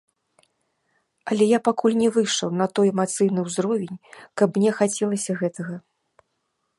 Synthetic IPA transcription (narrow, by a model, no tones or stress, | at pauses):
ɐlʲɛjapakulʲnʲɛvɨʂɐwnɐt̪ɔjɛmat̪sɨjnɨwzɾɔvʲɛnʲkɐpmnʲɛxat͡sʲɛlˠɐsʲɐɣɛt̪ɐɣɐ